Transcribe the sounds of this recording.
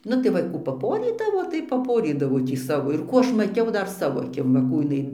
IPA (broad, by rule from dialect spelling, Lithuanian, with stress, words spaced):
ˈnʊ tɐɪ ˈʋɐ ˈkuː pɐˈpoːrʲiːdɐʋoː tɐɪ pɐˈpoːrʲiːdɐʋoː tʲiː ˈsɑːʋoː ɪr ˈkuː ˈɐʃ mɐˈtʲɛʊ ˈdɐr ˈsɑːʋoː ɐˈkʲɪm ʋɐ ˈkuː jɪˈnɐɪ